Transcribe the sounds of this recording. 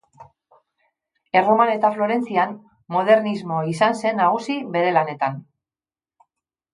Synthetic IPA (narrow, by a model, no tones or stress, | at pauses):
e̞romane̞t̪aflo̞ɾe̞nt͡sian | mo̞ð̞e̞ɾnizmo̞isanse̞nːaɣ̞usiβe̞ɾe̞lane̞t̪an